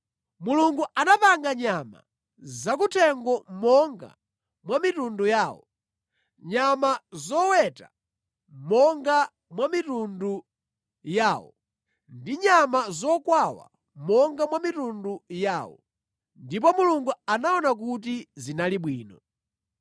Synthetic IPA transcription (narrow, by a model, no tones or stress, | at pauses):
muluŋɡuʔanapaŋɡaɲama̰ | zak̬utʰɛŋɡɔmɔŋɡa̰ | mwamitundujaːwɔ | ɲamazɔwɛta | mɔŋɡa | mwamitundu | jaːwɔ̰ | ndiɲamazɔkwawa̰ | mɔŋɡamwamitundujaːwɔ̰ | ndip̬ɔmuluŋɡuanaɔnak̬ut̬izinaliɓwiːnɔ